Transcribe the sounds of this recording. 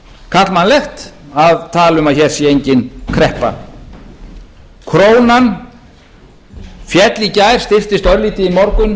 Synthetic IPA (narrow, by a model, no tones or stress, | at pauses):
kʰat̪lmanlɛxt̪aðt̪ʰaːlʏmaðçɛːɾ̥sjɛejɲcɪnkʰɾɛhpa̰ | kʰɾoːwnan | fjɛt̪licaːjɾ̥st̪ɪft̪ɪst̪œɾliːt̪ɪimɔɾkʏn